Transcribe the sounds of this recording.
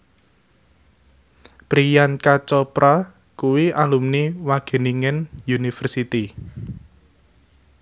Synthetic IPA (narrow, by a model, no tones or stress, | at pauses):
pɾijankat͡ʃɔpɾa | kuwiʔalumniwaɡ̥ə̤niŋɪnjunifərsit̪i